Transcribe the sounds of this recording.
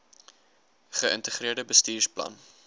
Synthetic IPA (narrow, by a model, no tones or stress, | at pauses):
χəəntəχriərdəbəstiːrplɐ̰n